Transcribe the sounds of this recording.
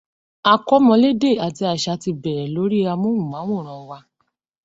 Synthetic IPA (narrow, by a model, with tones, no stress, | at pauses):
a˧kɔ˦mɔ̃˧le˦de˦˨a˨ti˧a˨ʃa˧˦ti˧bɛ˨ɾɛ˨lo˨˦ɾi˦a˧mõ˦mũ˨mã˨˦wõ˦˨ɾ̃ã˨˧˦wa˧